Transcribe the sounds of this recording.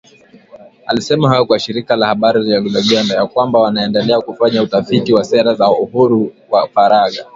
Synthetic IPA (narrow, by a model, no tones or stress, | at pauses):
alisɛmaɦajɔkwaʃiɾikalahaɓaɾiliaɡulaɡɛndajakwambawanaɛndɛlɛakufaɲautafitiwasɛɾazauhuɾuwafaɾaɠa